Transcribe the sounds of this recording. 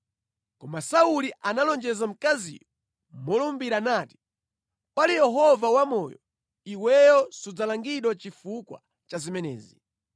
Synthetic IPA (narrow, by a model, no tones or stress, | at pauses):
kɔmasauliʔanalɔnd͡ʒɛzam̩kazḭjɔ | mɔlɔmbiɾanaːti̥ | pwalijɛɦɔvawamɔːjɔ | iwɛjɔsud͡zalaŋɡiɗwɔt͡ʃifukwa̰ | t͡ʃazimɛnɛ̰ːzi